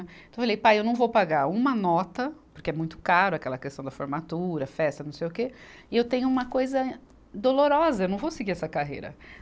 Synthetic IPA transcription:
t̪õwfalejpajewnɐ̃w̃vowpaɡaɾũmɐnɔt̪ɐpʊɾkeɛmũj̃t̪ʊ̥kaɾʊɐkɛlɐkest̪ɐ̃w̃d̪ɐfoɾmat̪uɾɐfɛst̪ɐnɐ̃w̃sejʊkeɪewt̪ẽɲʊũmɐkojzɐ | d̪oloɾɔzɐewnɐ̃w̃vowsɪɡiɾɛsɐkaɦḛjɾɐ̰

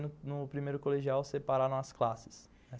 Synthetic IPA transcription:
nʊnʊpɾimejɾʊkoleʒiawsepaɾaɾõɐsklasɪ̥s

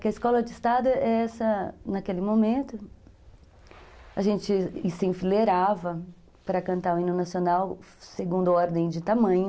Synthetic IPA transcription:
kɪɐiskɔlɐd͡ʒɪist̪ad̪ʊɛɛsɐnakelɪmomẽnt̪ʊ | ɐʒẽt͡ʃɪsẽfileɾavɐ | pɾɐkɐ̃nt̪aɾʊĩnʊ̃nasionawseɡũnd̪ʊɔɾd̪ẽj̃d͡ʒɪt̪amɐ̃ɲʊ

